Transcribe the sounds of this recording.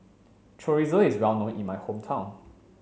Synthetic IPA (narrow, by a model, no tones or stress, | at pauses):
tʰɹɔɹizoizɹɛlnõtĩnmajhõmtʰãw̃n